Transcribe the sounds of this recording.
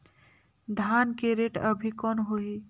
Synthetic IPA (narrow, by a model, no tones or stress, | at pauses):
d̪ʱankeɾeːʈəbʱikɔːnɦoi